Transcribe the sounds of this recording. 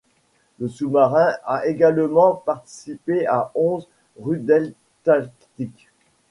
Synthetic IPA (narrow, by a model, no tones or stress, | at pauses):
ləsumaʁɛ̃aʔeɡalmɑ̃paʁt̪i̥sipeaɔ̃z | ʁyd̪ɛl | t̪alkt̪ik